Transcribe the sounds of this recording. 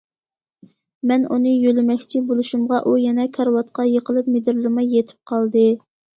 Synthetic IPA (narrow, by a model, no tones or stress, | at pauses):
mɛnunɨjølɪmɛkʲt͡ʃʰibolˠuʃumʁɑʔujɛnɛkʰɑɾwɑt̪̚qɑjəqəlˠɨp̚med̪ɪɾlɨɾmɑjːet̪ʰɪ̥p̚qʰɑlˠd̪ɨ